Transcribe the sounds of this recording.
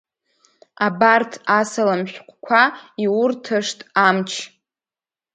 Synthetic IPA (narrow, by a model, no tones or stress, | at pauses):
abartʰasalamʃʷᶣqʷʰʼkʷʰaiwʊrtʰɨʂtʼamt͡ʃʰ